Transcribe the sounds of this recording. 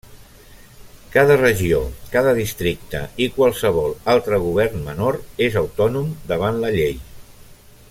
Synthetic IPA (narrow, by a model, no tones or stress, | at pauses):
kaðərəʒiokaðəðist̪ɾik̚t̪ə̰ikwalˠsəβ̞ɔlˠalˠt̪ɾəɣ̞uβ̞ɛrnmənoɾezəwt̪ɔnumd̪əβ̞anləʎej